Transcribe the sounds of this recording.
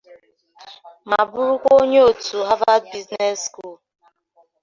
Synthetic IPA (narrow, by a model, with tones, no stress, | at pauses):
ma˨bʊ˦ɾu˦kʷo˦ɲe˦o˨tu˨ɦa˦va˦d̚bi˦zne˦sku˦˨l